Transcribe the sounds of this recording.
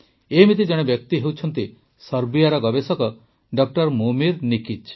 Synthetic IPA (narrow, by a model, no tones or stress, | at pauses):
emit̪id͡ʒɔɽ̃ebjɔk̚t̪iɦewt͡ʃʰɔnt̪i | sɔɾbijaɾɔɡɔbesɔkɔ | ɖɔk̚ʈɔɾmumiɾnikit͡ʃ